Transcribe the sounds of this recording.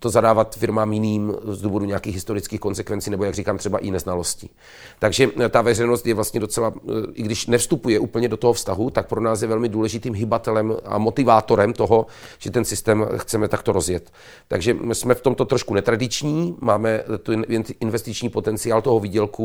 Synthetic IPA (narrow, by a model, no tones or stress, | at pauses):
t̪ozadaːvat̪fɪɾmaːmjɪniːmzduːvo̞duɲeakiːxɣɦɪst̪o̞ɾɪt͡skiːxko̞nsɛkvɛnt͡siːnɛbo̞jaɡriːkaːmt̪r̥ɛbaʔɪnɛznalo̞scɪ | t̪aɡʒɛt̪avɛrɛjno̞st̪jɛvlast̪ɲɛdo̞t͡sɛlaʔɪɡdɪʃnɛfst̪upujɛʔuːpl̩ɲɛdot̪oɦofst̪aɦut̪ak̚pɾonaːsjɛvɛlmɪduːlɛʒɪt̪iːmɦɪbat̪ɛlɛma̰mo̞t̪ɪvaːt̪o̞ɾɛmt̪o̞ɦo̞ | ʒ̥ɛt̪ɛnsɪst̪ɛːmxt͡sɛmɛt̪akt̪o̞ɾo̞zjɛt̪ː | a̰ɡʒɛsmɛft̪o̞mt̪ot̪ɾoʃkunɛt̪ɾadɪt͡ʃɲiːmaːmɛt̪unʔɪnvɛst̪ɪt͡ʃɲiːpo̞t̪ɛnt͡sɪaːlt̪o̞ɦoviːɟɛlku